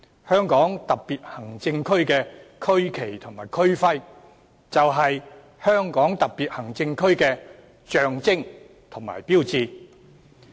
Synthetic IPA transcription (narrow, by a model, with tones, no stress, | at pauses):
hœː˥ŋkɔː˨˥ŋt̪ɐ˨p̚piː˨t̚hɐ˨˩ŋt͡sɪ˧ŋkʰɵ˥ɥkɛː˧kʰɵ˥ɥkʰe˨˩jt̪ʰʊ˨˩ŋmaː˨˩jkʰɵ˥ɥfɐ˥j | t͡sɐ˨wɦɐ˨j | hœː˥ŋkɔː˨˥ŋt̪ɐ˨k̚piː˨t̚hɐ˨˩ŋt͡sɪ˧ŋkʰɵ˥ɥkɛː˧ | t͡ʃœː˨ŋt͡sɪ˥ŋ | t̪ʰʊ˨˩ŋma̰ː˨˩jpiː˥wt͡siː˧